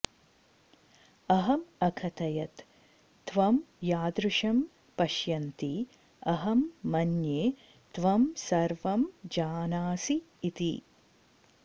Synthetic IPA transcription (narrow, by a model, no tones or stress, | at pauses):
ɐɦɐmɐkʰɐt̪ɐjɐt̪ː | ʋɐmjaːd̪ɾuʂɐm | pɐʃjɐnt̪i | ɐɦɐmːɐnjeː | t̪ʋɐmsɐɾʋɐmd͡ʒaːnaːsiː | t̪ḭ